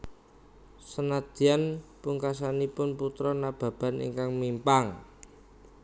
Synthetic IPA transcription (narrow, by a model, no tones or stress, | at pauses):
sənad̪̥i̤anpuŋkasanipʊnput̪ɾɔnab̥a̤b̥a̤nḭŋkaŋmimpaŋ